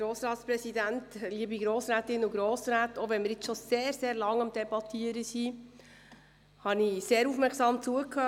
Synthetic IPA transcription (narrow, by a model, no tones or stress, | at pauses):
ɡɾoːsɾɑːt̪spɾɛsid̪æntliːəbiɡɾoːsɾæːtɪnʊɡɾoːsɾæːtɔʋɛnmɪɾɪt͡sʃɔseːɾseːɾlɑŋɑmd̥̪ɛbɑt̪ʰiəɾəsi | hɑniseːɾufmɛɾksɑːmt͡suəkʰːœ